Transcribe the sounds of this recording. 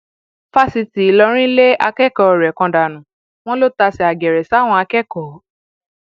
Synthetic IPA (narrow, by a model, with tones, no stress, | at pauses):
fa˦˨si˧ti˨i˨lɔ˧ɾ̃ĩ˦le˦ʔa˧kɛ˦kɔ˨ɾɛ˨kɔ̃˧da˨nũ˨˦ | w̃ɔ̃˦lo˦ta˧sɛ˧˨a˨ɡɛ˨ɾɛ˨sa˨˦˨w̃ɔ̃˧a˧kɛ˦kɔ˨˦